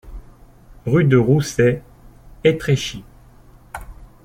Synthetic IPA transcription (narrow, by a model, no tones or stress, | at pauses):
ʁyd̪əʁusɛ | et̪χeʃi